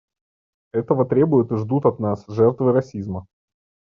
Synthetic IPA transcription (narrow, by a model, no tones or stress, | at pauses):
ɛt̪əvət̪ɾʲe̞bʊjɪt̪ɨʐd̪ut̪ɐt̪nasʐɛrt̪vɨɾɐsʲizmə